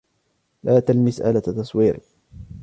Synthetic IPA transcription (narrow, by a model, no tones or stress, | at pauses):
lʔaːt̪almɪsʔa̰lat̪ɑsˤwiːɾɪ